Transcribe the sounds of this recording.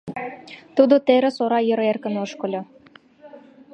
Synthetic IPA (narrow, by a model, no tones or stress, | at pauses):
t̪ud̪ot̪eɾĕsoɾɑjə̆ɾerkə̆noʃkɤ̆lʲo